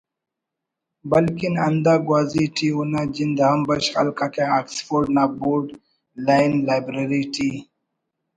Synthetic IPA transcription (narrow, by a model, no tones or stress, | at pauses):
bəlkina̰nd̪aɡwaːziʈʰiunad͡ʒind̪aɦambəɕxa̰lkakeaksfoɾɖnaboɾɖ | lajnlajbɾaɾiʈʰi